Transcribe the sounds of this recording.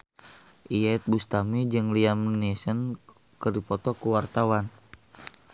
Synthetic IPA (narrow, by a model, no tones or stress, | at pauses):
ʔijat̪̚bust̪amid͡ʒɨŋliamnisən | kərdipɔt̪ɔkuwart̪awan